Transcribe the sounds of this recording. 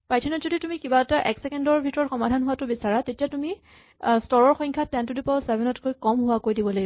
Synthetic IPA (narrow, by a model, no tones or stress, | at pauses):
pajtʰinɔzoditumikibaɛtaʔɛksɛkɛndɔɹbʱitɔɹɔxɔmadʱanɦʊwatʊbisaɹatetijatumi | stɔɹɔɹxɔ̃jŋkʰatɛntudipɔsɛbʱɛnɔtkojkɔmɦʊwakojdibɔloɡ